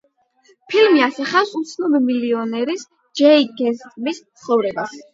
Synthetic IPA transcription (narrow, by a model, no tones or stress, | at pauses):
pʰilmiasaχafsut̪sʰnɔbɛmiliɔnɛɾis | d͡ʒɛiɡɛst̪ʼmistt̪sʰχɔvɾɛbas